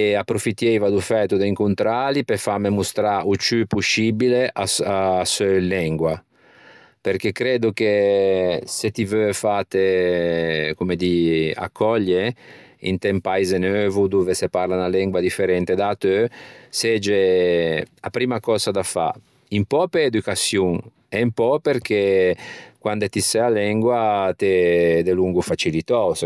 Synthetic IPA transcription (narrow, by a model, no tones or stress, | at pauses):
apːɾofit̪ːjɛjvad̪ufɛːt̪ud̪aiŋkunt̪ɾalipefamemust̪ɾaut͡ʃypusːibileʔasasølɛŋɡwa | peɾk̟ekːɾɛːd̪uke | set̪ivøfat̪e | kumed̪ia̰kʰːɔʎːe | ḭnt̪ɛmpaizenøːvud̪uːveseparlanalɛŋɡwad̪ifeɾɛnt̪ed̪at̪øsɛd͡ʒe | apɾiːmakɔːzad̪afa̰ | impɔpeed̪ukasjuŋ | empɔperk̟e | kwand̪et̪isɛalɛŋɡwat̪ɛd̪eluŋɡufat͡ʃilit̪ɔs